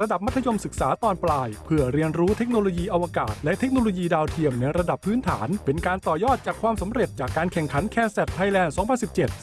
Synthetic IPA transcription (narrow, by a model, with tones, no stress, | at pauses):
ɾa˧da˨˩p̚ma˥t̪ʰːa˧jo˧msɯ˨˩k̚saː˩˦t̪ɔː˧nplaː˧jpʰɯ˥˩ɐɾi˧ənɾuː˦˥t̪ʰe˦˥k̚noː˧loː˧jiː˧ʔa˧wa˧kaː˨˩t̪̚lɛ˦˥ʔt̪ʰe˦˥k̚noː˧loː˧jiː˧daː˧wt̪ʰi˧əmnɛ˧ɾa˧da˨˩pʰːɯː˦˥nt̪ʰa̰ː˩˦npe˧nkaː˧nt̪ɔː˨˩jɔː˥˩t̪̚t͡ɕaː˨˩kʰwaː˧msa˩˦mɾe˨˩t̪̚t͡ɕaː˨˩kːaː˧nkʰɛ˨˩ŋkʰa˩˦nkʰɛː˧nsɛ˨˩t̪ʰːa˧jlɛː˧nsɔ˩˦ŋpʰa˧nsi˨˩p̚t͡ɕe˨˩t̪̚